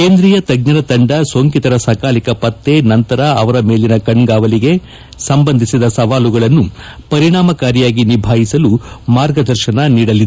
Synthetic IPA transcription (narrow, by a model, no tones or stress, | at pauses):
keːnd̪ɾiːjɐt̪ɐɡɲɐɾɐt̪ɐɳɖɐsoŋkit̪ɐɾɐsɐkaːlikɐpɐt̪ːenɐnt̪ɐɾɐɐʋɐɾɐmeːlinɐkɐɳɡaːʋɐliɡe̞ | sɐmbɐnd̪ʱisid̪ɐsɐʋaːluɡɐɭɐnːupɐɾiɳaːmɐkaːɾjjaːɡinibʱaːɦisɐlumaːɾɡɐd̪ɐɾʃɐnɐniːɽɐlːid̪e